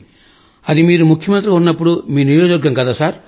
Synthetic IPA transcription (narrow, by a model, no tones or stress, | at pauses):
ɐd̪imiːɾumukʰjɐmɐnt̪ɾikunːɐpːuɽumiːnijoːd͡ʒɐɾɡɐŋkɐd̪aːsaːɾ